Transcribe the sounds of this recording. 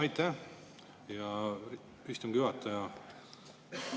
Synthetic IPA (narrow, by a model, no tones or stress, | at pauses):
ɑjt̪ːˑæ | jɑ | yst̪umɡ̥kyvɑt̪ˑːɑjɑ